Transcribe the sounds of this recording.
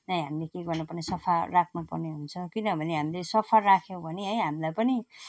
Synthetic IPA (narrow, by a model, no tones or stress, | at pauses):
nʌjɦamilekeɡʌrnupʌrnesʌpʰarakʰnupʌrneɦunt͡sʰʌkinʌbʱʌneɦamilesʌpʰarrakʰjow̃bʱʌneɦʌjɦamilajpʌni